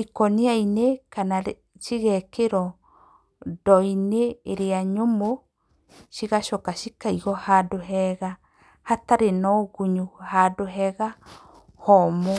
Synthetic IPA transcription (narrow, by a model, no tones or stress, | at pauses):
ikɔniainekana | ʃiɣɛkeɾɔ | dɔineːɾeaɲomo | ʃiɣaʃɔkaʃikaiɣɔhadoɦɛɣa | hataɾenɔɣuɲuhadoɦɛɣa | hɔmo